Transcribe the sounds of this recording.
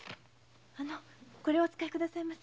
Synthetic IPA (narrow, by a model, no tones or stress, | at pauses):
ano | ko̞ɾe̞ot͡sɨ̥kaikɯ̟d̪asaimas